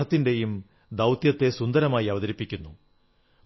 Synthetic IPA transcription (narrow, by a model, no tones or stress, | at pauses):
ɐt̪ːinde̞jum | d̪ɐwt̪jɐt̪ːe̞sund̪ɐɾɐmaːjiɐʋɐðɐɾipːikʲːunːu